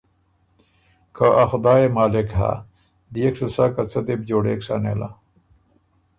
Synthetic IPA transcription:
kʰaʔaxd̪aːemaːlekɦa̰ | d̪ijekʂusakat͡sʰɐd̪eb̚d͡ʑoːɽḛːkʂanḛːla̰

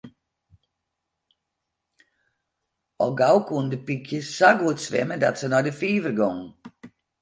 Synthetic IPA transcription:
ɔ̰lˠɡawkundəpikʰjəsaɡuətsʋɛ̰mədɔtsənɔjdəfiːvərɡɔŋ

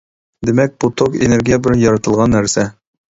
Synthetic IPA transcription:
d̪emɛk̚ʲbut̪ʰokḛneɾɡʲijɛbɪlɛnjɑɾɑt̪ʰɨlˠʁɑnːæɾsɛ

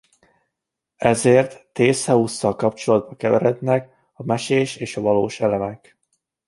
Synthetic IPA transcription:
ɛzeːrt̪ːeːshɛusːɒlkɒpt͡ʃolɒd̪̚bɒkɛvɛɾɛd̪nɛk | ɒmɛʃeːʃeːʃɒvɒloːʃɛlɛmɛk

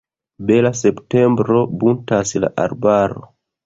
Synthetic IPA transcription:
belase̞pte̞mbɾo̞buntasla̰ʔa̰ɾbaɾo̰

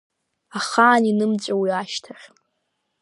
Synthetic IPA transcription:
aχaːninɨmt͡ɕʷʼawiaʃtʰaχʲ

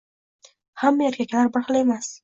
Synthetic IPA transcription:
hamːjaɾkʲakaɾbaχlemas

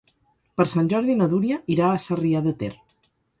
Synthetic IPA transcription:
pəɾsanʲʒɔɾðinəðuɾjəiɾaːsariaðət̪ḛr

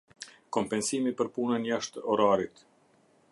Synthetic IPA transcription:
kɔmpɛnsimipəɾpunənjaʃt̪ɔɾaɾit̪

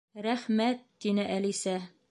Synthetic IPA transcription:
ɾæχmæt̪ːinɘʔælisæ

